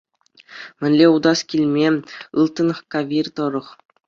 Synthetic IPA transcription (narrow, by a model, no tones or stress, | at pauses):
mʲɘ̆nʲlʲeud̪ɑskʲilʲmʲeɯ̰lˠt̪ːɤ̆nɤχkɑʋʲirʲt̪ɤ̆ɾɤ̆χ